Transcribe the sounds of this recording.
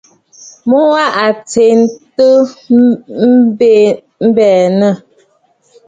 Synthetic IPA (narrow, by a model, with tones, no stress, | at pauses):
mɔ˦wa˦ʔa˨t͡se˨n˦tə˦ | m̩˦be˦˨ | m̩˦bɛː˨nə˦˨